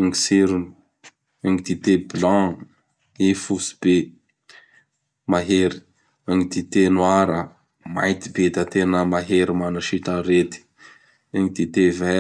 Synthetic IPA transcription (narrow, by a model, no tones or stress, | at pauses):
ŋisiɾun | ɛ̃ŋt̪it̪eblɑ̃ | ifusi̥b̥e | maɦeɾi̥ | ãŋt̪it̪enwaɾə | ma̰jt̪ibet̪at̪enəmaɦeɾimanaʃiʈ͡ʂəɾet̪i̥ | ɛ̃ŋt̪it̪evɛ